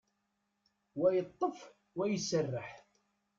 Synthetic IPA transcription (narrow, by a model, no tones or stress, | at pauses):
wæjət̪ˤːəf | wæjəsːərːəħ